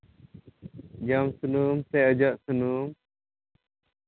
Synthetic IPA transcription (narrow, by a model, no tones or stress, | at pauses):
d͡ʒamsunumsɛəd͡ʒaʔsunum